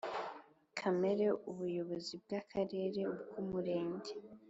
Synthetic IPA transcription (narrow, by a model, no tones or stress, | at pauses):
kʰame̞ɾe̞uβujo̞βo̞zib̚ɡakʰaɾe̞ːɾe̞ubɡumuɾe̞ːɲɟe